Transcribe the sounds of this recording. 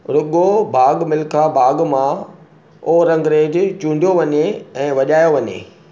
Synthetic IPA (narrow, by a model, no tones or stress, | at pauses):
ɾʊɠobʱaːɠmɪlkʰabʱaːɡmã | oːɾɐ̃ŋɡɾeːd͡ʑt͡ɕũːɳɖʱijoʋɐɲeɛ̃ːʋɐʄaːjoʋɐɲḛː